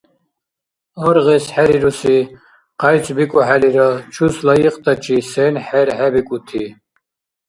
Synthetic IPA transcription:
ɔɾʁɛsħɛɾiɾusi | qajt͡sʰʼbikʼɔħaliɾɔt͡ʃʰuslajiqʼt̪ʰʼat͡ʃʰʼisɛnħɛɾħɛbikʼut̪ʰi

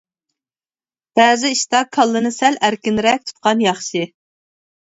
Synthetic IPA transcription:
b̥ɛːzɪiʃt̪ɑkʰɑlˠːɨnɨsælæɾkʲɪnɾɛk̚ʲt̪ʰu̥t̪̚qɑnjɑχʃɪ

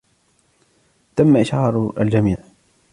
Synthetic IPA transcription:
t̪amːaʔɪʃʕɑːɾˤa̰ld͡ʒamiːʕ

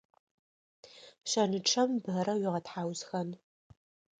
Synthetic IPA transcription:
ɕɐnɨʈ͡ʂʰɐmbɦɐɾɐwɪʁɐtħaːwzxɐn

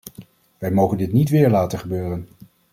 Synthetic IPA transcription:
ʋɛjmowχəndɪtnitʋɪːɹlaːtəχəbøːrən

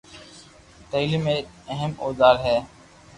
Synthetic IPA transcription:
t̪eːliːmẽː | əɦəmoːd̪aːɾɦɛː

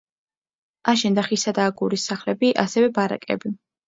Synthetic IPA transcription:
aʃɛnd̪aχisad̪aːɡuɾisaχlɛbiʔasɛvɛbaɾa̰kʼɛ̰bi

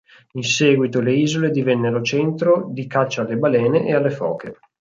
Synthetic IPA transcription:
insɛːɡwit̪oleiːzoled̪ivɛnːeɾot͡ʃɛnt̪ɾod̪ikat͡ʃːaalːebalɛːneʔealːefɔ̰ːkʰe

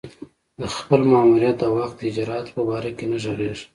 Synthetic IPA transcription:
d̪əxpəlmɑːmuɾijat̪̚d̪awaxd̪əd͡ʒɾɑat̪pəbɑɾakenaʒoɾeʒ

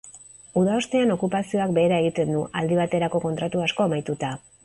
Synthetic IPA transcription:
uðaost̪e̞ano̞kupasio̞akbe̞ːɾae̞ɣ̞it̪e̞nd̪uʔald̪iβ̞at̪e̞ɾako̞ko̞nt̪ɾat̪uasko̞ːmajt̪ut̪a

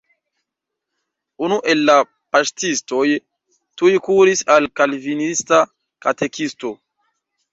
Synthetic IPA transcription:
unuʔe̞lːa | pastisto̞j | tujkuɾisalkalvinista | kate̞kisto̞

